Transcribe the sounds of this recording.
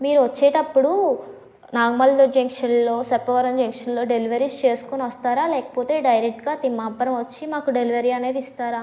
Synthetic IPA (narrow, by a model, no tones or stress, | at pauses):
miːɾuʋɐt͡ʃːeːʈɐpːuɽu | naːɡmɐld̪od͡ʒɐŋkʂɐnlo̞ːsɐpːɐʋɐɾɐɲd͡ʒɐŋkʂɐnlo̞ːɖe̞liʋɐɾiːst͡ʃe̞ːsu̥koniʋɐst̪aːɾaːlɛːkɐ̥poːt̪e̞ːɖɐjɾek̚ʈɡaːt̪imːaːpːɐɾɐmʋɐt͡ʃːimaːkuɖe̞liʋɐɾiːɐne̞ːd̪ist̪aːɾaː